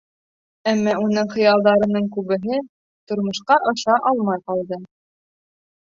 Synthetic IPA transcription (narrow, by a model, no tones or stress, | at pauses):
æmːɑunɤɴχɤ̆jɑlˠd̪ɑɾɤ̆nɤɴkʉβɘ̆ɦɘ | t̪ŏɾmɤ̆ʃqɑʔɤ̆ʃɑʔɑlˠmɑjqɑlˠd̪ɤ